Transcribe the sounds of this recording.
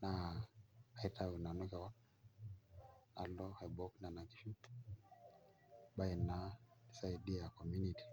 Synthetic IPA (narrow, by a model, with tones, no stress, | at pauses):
na˨ | a˨i˦ta˦u˨na˨nu˦kɛ˨wa˦ | a̰˨lɔ˦hɛ˨bɔ˦kna˨na˨ki̥˦ʃu˦ | ba˦i˨na˨i˨sa˦i˨di˦a˨kɔ˨mju˦ni˨ti̥˨